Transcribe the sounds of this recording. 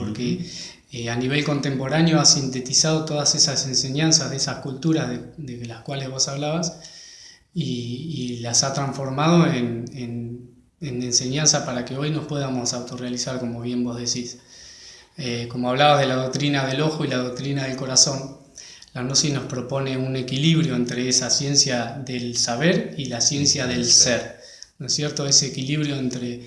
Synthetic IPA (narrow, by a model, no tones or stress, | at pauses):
poɾke | eaniβ̞e̞lko̞nt̪e̞mpo̞ɾanjoasint̪e̞t̪isað̞o̞t̪o̞ðase̞sase̞nseɲansaðesahkult̪uɾazðeðelaskwalezβo̞saβlaβas | iːlasat̪ɾaɱfo̞ɾmað̞o̞enen | enense̞ɲansapaɾakeo̞jno̞spweðamo̞sawt̪orealisaɾko̞mo̞β̞je̞mbo̞zðe̞sis | eko̞moaβ̞laβaɦð̞e̞lað̞o̞k̚t̪ɾinaðe̞lo̞xoilaðok̚t̪ɾinaðelko̞ɾaso̞n | lanosisno̞spɾo̞po̞ne̞une̞kiliβɾjoent̪ɾeesasje̞nsjaðe̞lsaβeɾilasje̞nsjaðelseɾ | nosje̞ɾt̪oe̞seːkiliβɾjo̞ent̪ɾe̞